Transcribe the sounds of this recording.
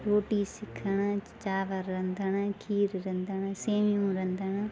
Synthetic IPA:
ɾoːʈiːsɪkʰːəɳaː | t͡ʃaːʋəɾːɛ̃nd̪anaːkʰiːɾɾɛ̃nd̪anaːseːmiũːɾɛ̃nd̪anaː

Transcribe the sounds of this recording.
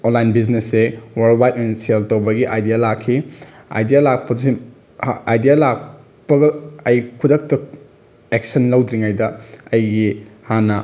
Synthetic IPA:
onlajnbiznesewɐɾldwajt̚nsieltowbɐɡiʔajdijalakʰːi | a̰jdijalak̚pɐsi | ajdijalak̚ | pɐɡɐɐjkʰudɐk̚tɐ | ek̚sɐnlɐwdɾiŋajdɐɐjɡihanɐ

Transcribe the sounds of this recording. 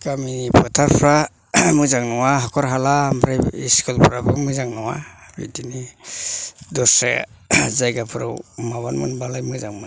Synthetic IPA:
ɡaminipʰɯtʰaɾpʰɾa | mɯzaŋnɔwaɦakʰɔɾɦalamɾajiskɯlpʰɾabɯŋmɯzaŋnɔwa̰bḭdini | dɔsḛ | zajɡapʰɯɾɯ̰wmaβanmɯ̰nbalajmɯzaŋmɯ

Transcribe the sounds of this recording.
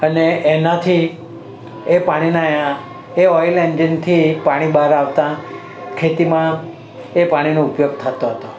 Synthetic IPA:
əneenat̪ʰi | epaɽ̃inajã | eɔjlend͡ʒɪnt̪ʰipaɽ̃ibaɾaʋt̪ã | kʰet̪imã | epaɽ̃inõupjoɡ̚t̪ʰət̪oɦət̪o

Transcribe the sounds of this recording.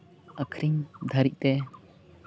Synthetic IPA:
əkʰɾiŋd̪ʱɐɾik̚t̪ɛ

